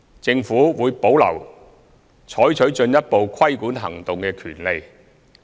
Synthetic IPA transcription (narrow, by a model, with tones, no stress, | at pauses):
t͡sɪ˧ŋfuː˨˥wuː˨˧jpo˨˥wlɐ̰˨˩w | t͡ʃʰɔː˨˥jt͡ʃʰɵ˨˥ɥt͡ʃɵ˧njɐ˥t̚po˨wkʰɐ˥jkuː˨˥nɦɐ̰˨˩ŋt̪ʊ˨ŋkɛː˧kʰyː˨˩nle˨j